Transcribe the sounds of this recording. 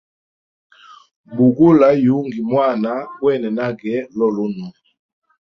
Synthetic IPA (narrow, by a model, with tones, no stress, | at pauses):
bu˨ɡu˦la˨˦ju˨˦ŋɡi˨mwa˦˨na˨˦wɛ˦˨nɛ˨na˦ɡɛ˨˦lɔ˦˨lɔ˦nu˨